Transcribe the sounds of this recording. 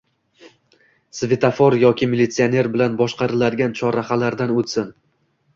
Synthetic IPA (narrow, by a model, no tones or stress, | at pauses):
svet̪ʰafoɾjɒkʲɪmilit̪sione̞ɾbɪlanbɒʃqʰɑɾɪlad̪ɪɡʲant͡ʃʰɒɾaχalaɾd̪anot̪sɪn